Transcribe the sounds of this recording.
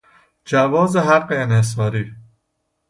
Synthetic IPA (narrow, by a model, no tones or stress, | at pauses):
d͡ʒævɒːzeɦæɢːeːnhes̬ɒːɾiː